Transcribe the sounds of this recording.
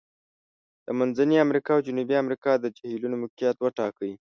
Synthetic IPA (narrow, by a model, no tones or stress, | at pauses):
d̪̥əmanzaniamɾikɑawd͡ʒunubiamɾikɑd̪əd͡ʒahilunomʊkijat̪wəʈɑkəji